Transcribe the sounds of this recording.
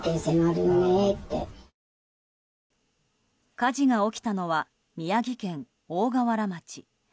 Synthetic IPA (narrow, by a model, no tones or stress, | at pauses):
t̪esenaɾɯnonet̪ːḛ | kaʑiɡao̞kʲi̥t̪ano̞βa | mʲijaɡʲikẽ̞ŋ | o̞ːɡaβaɾamat͡ɕi